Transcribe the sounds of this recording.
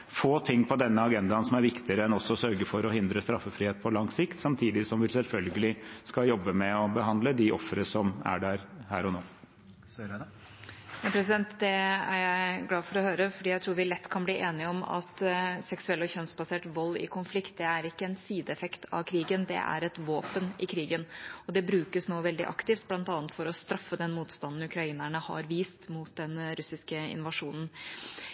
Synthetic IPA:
foːt̪ʰɪŋːpʰɔd̪ɛnːəɑɡɛnd̪ɑnsɔmæɾʋɪkt̪ɪəɾəɛnɔsːɔsœɾɡəfɔɾɔhɪnd̪ɾəst̪ɾɑfːəfɾiheːt̪̚pʰɔlɑŋsɪkt̪sɑmt̪ʰiːd̪ɪsɔmʋɪlsɛlfœlɡəlɪskɑjɔbːəmɛɔbəɦɑnd̪ləd̪ɪʔɔfəɾəʂɔmæ̰ɖæɾhæ̰ːɾɔnoː | ɛpʰɾɛs̬ɪd̪ɛnt̪d̪ɛæ̰ɾjæɪɡlɑːfɔɾɔhøːɾəfɔɖiːjæɪt̪ʰɾuːɾʋɪlɛt̪ːkʰɑnbliːʔeːnɪɔmɑ̰t̪sɛksʉɛlːɔçœnsbɑseːʈʋɔlːɪ̰kʰʊnflɪkt̪̚d̪ɛæɾɪkːəɛnsiːd̪əɛfɛkt̪ʰɑ̰ʋkʰɾiːɡənd̪ɛ̰ʔæ̰ɾɛt̪ʋoːpənɪkʰɾiːɡənɔd̪ɛbɾʉːkəsnoːʋɛld̪ɪ̰ʔɑ̰kt̪ɪft̪̚blɑnt̪ɑːət̪fɔɾɔst̪ɾɑfːəd̪ɛnmuːt̪st̪ɑnn̩ʉkʰɾɑiːnæɳəhɑ̰ɾʋiːst̪muːt̪̚d̪ɛnɾʉsɪskəɪ̰nʋɑʂuːnən̩

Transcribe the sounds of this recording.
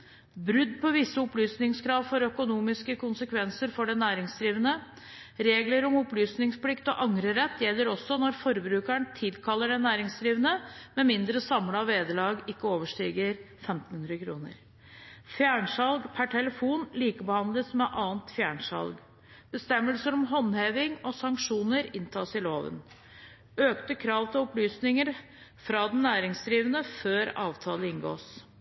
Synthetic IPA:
bɾʉd̪ːpʰɔʋɪsːəʊplyːsnɪŋskʰɾɑːʋfɔɾœkʊnuːmɪskəkʰʊnsəkʰʋɛnsəɾfɔɖɛnæːɾɪŋsd̪ɾiːʋənə | ɾeːɡləɾɔmʊplyːsnɪŋspʰlɪkt̪ɔʔɑŋɾəɾɛt̪ːjɛlːəɾɔsːɔnɔɾfɔɾbɾʉːkæɳt̪ʰɪlkʰɑlːəɖɛnæːɾɪŋsd̪ɾiːʋnəmɛmɪnd̪ɾəsɑmləɑʋʋeːd̪əlɑːɡɪkːəoːʋəʂʈiːɡəɾ | fɛmt̪n̩hʉnd̪ɾəkʰɾṵːnə̰ɾ | fjæːɳsɑlɡpʰæʈʰɛləfuːnliːkəbəhɑnd̪ləsmɛʔɑːnt̪fjæːɳsɑ̰lɡ | b̥əst̪ɛmːəlsəɾɔmɦɔnheːʋɪŋɔsɑŋkʂuːnəɾɪnt̪ʰɑːsɪloːʋə̰n | øːkt̪əkʰɾɑːʋt̪ʰɪlɔplyːsnɪŋəɾ | fɾɑd̪ɛnːæːɾɪŋsd̪ɾiːʋənəføːɾɑ̰ːʋt̪ʰɑːləɪnɡo̰ːs

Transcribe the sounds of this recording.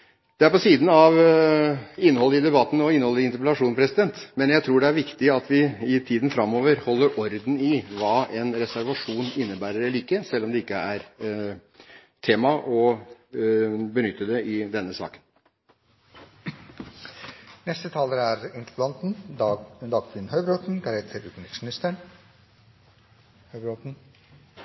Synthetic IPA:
d̪̥ɛæɾpɔsiːd̪n̩ɑʋ | ɪnːəhɔlːəɪd̪ɛbɑt̪ːn̩ɔɪnːəhɔləɪɪnt̪əɾpɛlɑʂuːnpʰɾɛsɪd̪ɛnt̪mɛnjæɪt̪ʰɾuːɖɛæɾʋɪkt̪ɪɑt̪ʋɪɪt̪ʰiːd̪n̩fɾɑmːɔːʋəɾhɔlːəɾʔɔɾd̪n̩ɪʋɑːʔɛnɾɛsæɾʋɑʂuːnɪnːəbæːɾəɾɛliːkːəsɛlːɔmd̪ɛɪkːəæɾ | t̪ʰeːmɑʔɔ | bənʏt̪ːəd̪ɛɪd̪ɛnːəsɑ̰ːkən | nɛst̪ət̪ʰɑːləɾæɾɪnt̪ʰplɑnt̪n̩ | d̪ɑːɡkʰʋɪnhœʏbɾot̪n̩ɡɑɾɛt̪ʰəɾʉːt̪mnɪt̪ʂmɪnɪst̪əɳ | hœbɾot̪n̩

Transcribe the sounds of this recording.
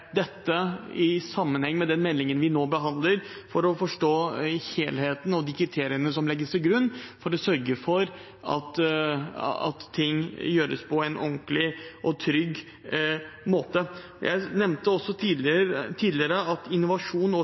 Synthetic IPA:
d̪ɛt̪ːəɪsɑmːənhɛŋːmɛd̪ɛnmɛlːɪŋənʋɪnoːbəɦɑnd̪ləɾ | fɔɾɔfɔʂʈoːheːlheːt̪n̩ɔd̪ɪkʰɾɪt̪ʰeːɾɪənəsɔmlɛɡːəst̪ɪlɡɾʉnːfɔɾɔsœɾɡəfɔɾ | ɑ̰t̪ | ɑ̰t̪ʰːɪŋːjøːɾə̰spʰɔɛɪnʔɔŋklɪʔɔt̪ʰɾʏɡː | moːt̪ə | jʔæ̰ɪnɛmnt̪əɔsːɔ | t̪ʰiːd̪lɪəɾəɑt̪ɪnːʊʋɑʂuːnɔ

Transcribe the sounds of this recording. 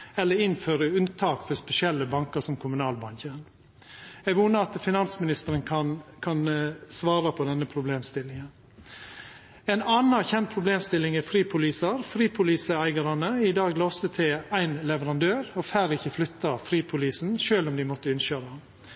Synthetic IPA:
ɛlːəɾɪnføːɾəʉnt̪ʰɑːkfɔspɛsɪɛlːəbɑŋkəʂɔmkʰʊmʉnɑːlbɑŋçən | ɛɡʋuːnəɑt̪fɪnɑnsmɪnɪst̪əɾənkʰɑnkʰɑnsʋɑːɾɑpʰɔd̪ɛnːəpʰɾʊbleːmst̪ɪlɪŋən | ɛɪnɑːnɑçɛnt̪pʰɾʊbleːmst̪ɪlɪŋɛfɾiːpʰʊliːsəɾfɾiːpʰʊliːsəæɪɡɑɾɑnəɪd̪ɑːɡlɔst̪ət̪ʰɪlæɪnlɛʋəɾɑnd̪øːɾɔfæːɾɪçəflʏt̪ːɑfɾiːpʰʊliːsn̩ʃøːlɔmd̪ɪmɔt̪ːəɪnʃøːɾɑ

